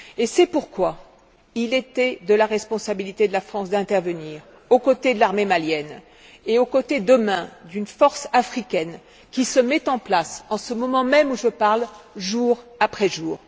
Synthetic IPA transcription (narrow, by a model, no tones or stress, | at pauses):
esɛpuʁkwa | ilet̪ɛd̪əlaʁɛspɔ̃sabilit̪ed̪əlafχɑ̃sd̪ɛ̃t̪ɛʁvəniːʁ | okot̪ed̪əlaʁmemaljɛn | eokot̪ed̪əmɛ̃d̪ynfɔʁsafχikʲɛn | kʲisəmɛt̪ɑ̃plasɑ̃səmɔmɑ̃mɛmuʒəpaʁlʒuʁapχɛʒuːʁ